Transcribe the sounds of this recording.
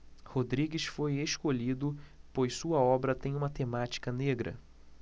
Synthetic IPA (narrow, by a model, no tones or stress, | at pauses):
hod̪ɾiɡɪsfojeʃkoʎid̪ʊpojssuɐɔbɾɐt̪ẽj̃ũmɐt̪emat͡ʃi̥kɐneɡɾɐ̰